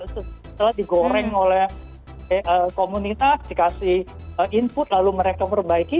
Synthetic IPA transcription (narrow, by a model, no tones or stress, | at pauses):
susə̥t̪əlahdiɡoɾɛŋolɛh | əːkomunit̪asdikasɪhəʔimpʊt̪̚laluməɾekabərbaiki